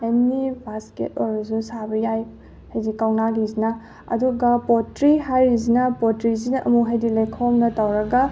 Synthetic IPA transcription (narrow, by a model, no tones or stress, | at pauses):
ennibʱaskḛtɔɾsusabɐjaj | hajdikawnaɡizinɐ | ɐ̰duɡɐpɔtɾiɦaɾizinɐpɔtɾizinɐʔɐ̰muɦajdilajkʰomnɐtɐwɾɐɡɐ